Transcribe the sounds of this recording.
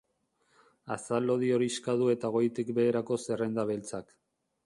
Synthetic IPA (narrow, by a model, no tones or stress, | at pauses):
asalo̞ð̞io̞ɾiskaðue̞t̪aɣ̞o̞jt̪ikbe̞ːɾako̞se̞rend̪aβe̞lt͡sak